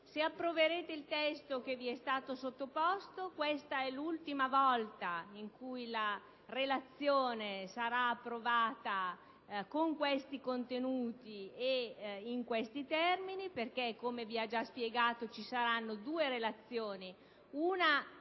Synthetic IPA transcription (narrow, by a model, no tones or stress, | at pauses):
seapːɾoveɾeːt̪eilt̪ɛst̪okeviɛst̪aːt̪osot̪ːopɔst̪okwest̪aɛlult̪imavɔlt̪aiŋkujla | relat̪sːjoːnesaɾaːpːɾovaːt̪a | koŋkwest̪ikont̪enuːt̪ieiŋkwest̪it̪ɛrminiperkekːomeviad͡ʒaspjeɡaːt̪ot͡ʃisaɾanːod̪uːeɾelat̪sːjoːni | una